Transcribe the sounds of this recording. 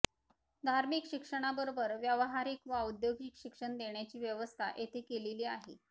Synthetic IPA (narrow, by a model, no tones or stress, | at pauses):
d̪ʱaɾmikɕikʂəɽ̃abəɾobəɾʋjəʋəɦaɾiːkʋaud̪joɡikɕikʂəɳd̪eɳjat͡ɕiːʋjəʋəst̪ʰa̰ʔet̪ʰekeleliːaɦḛ